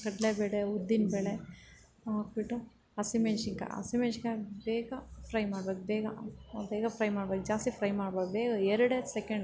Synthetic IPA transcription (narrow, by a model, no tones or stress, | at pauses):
kɐɽleːbeːɽeud̪ːinbeːɭe | aːkbiʈːu | ɐsimeːʃiŋkɐ̰ɐ̰simeʃiŋkɐbeːɡɐpʰɾɐjmaːɽbeːk̚beːɡɐ̰beːɡɐpɾɐjmaːɽbek̚d͡ʒaːst̪ipʰɾɐjmaːɽbek̪ubeːɡɐɛɾɐɽesekeɳɖ